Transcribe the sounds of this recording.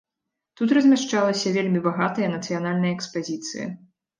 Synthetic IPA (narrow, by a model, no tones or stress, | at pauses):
t̪ut̪ɾɐzʲmʲaʂt͡ʂalˠɐsʲɐvʲelʲmʲibaɣat̪ɐjɐnɐt̪sɨjanalʲnɐjɐɛkspazʲit̪sɨ̰jɐ̰